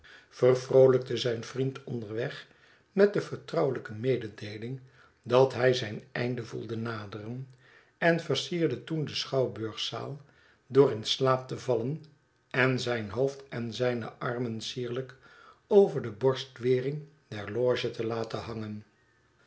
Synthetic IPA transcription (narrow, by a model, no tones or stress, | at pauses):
fərvrowlək̚təzɛjnvrintɔndəɹʋɛχ | mɛt̚dəfəɹtrɑwələkəmejdədejlɪŋ | dɑtɦɛjzɛjnɛ̰jndəvṵlˠdənaːdərən | ɛnvərsiːɹdətundəsχɑwbøɹχsa̰ːlˠ | dʊːrɪnslaːp̚təvɑlən | ɛnzɛjnɦowftɛnzɛjnə̰ʔɑɹmənsiːɹlək | owvəɹdəbɔɹstʋɪːrɪŋ | dɛɹlɔːʒətəlaːtəɦɑŋən